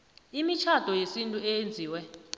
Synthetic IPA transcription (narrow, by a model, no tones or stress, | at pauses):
imit͡ʃʰad̥ʱɔjesintʼuɛjend͡zʱiːwɛ